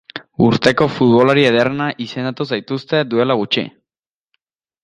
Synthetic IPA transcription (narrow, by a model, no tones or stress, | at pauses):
ṵɾt̪ekofut̪βolaɾieðeɾnaʔisend̪at̪osajt̪ust̪ed̪uelaɣut͡ʃḭ